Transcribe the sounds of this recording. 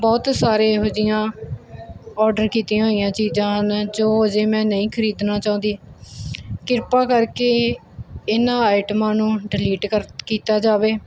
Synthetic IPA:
bɔːt̪saːɾeːɦoːd͡ʒɪjãː | ɔːɾɖəɾkiːt̪ijãːɦoːijãːt͡ʃiːzãːnd͡ʒoːəd͡ʒeːmɛ̃ːnəĩːkʰəɾiːd̪naːt͡ʃaːʊ̃nd̪iː | kɪɾpaːkəɾkeː | ɪnãːaːɪʈəmãːnũːɖɪliːʈkəɾkiːt̪aːd͡ʒaːʋeː

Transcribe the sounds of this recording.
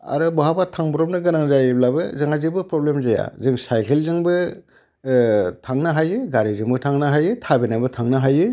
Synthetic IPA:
a̰ɾɯbɔɦabatʰaŋbɔɾɔp̚nɯɡɯnaŋzajɯblabɯ̰zɯŋazɯbɯpɾɔblemzaja̰zɯŋsajkʰelzɯŋbɯ | tʰaŋnɯɦajɯɡaɾizɯŋbɯtʰaŋnaɦajɯtʰabenajbɯtʰaŋnɯɦajɯ

